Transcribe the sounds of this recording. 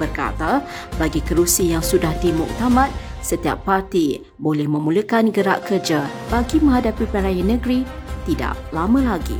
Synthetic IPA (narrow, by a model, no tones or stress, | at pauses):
bərka̰t̪abaɡikəɾusijaŋsudahdimʊ̰k̚t̪amãt̪̚sət̪ia̰pːart̪i | bolɛhmə̃muləkanɡəɾa̰ʔkərd͡ʒa | b̥aɡimə̃ŋɦadapipəɾajanːə̃ɡɾit̪ida̰ʔlamə̃laɡḭ